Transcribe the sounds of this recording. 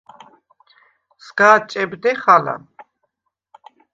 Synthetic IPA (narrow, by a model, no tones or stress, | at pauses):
sɡaːt͡ʃʼɛbd̪ɛχala̰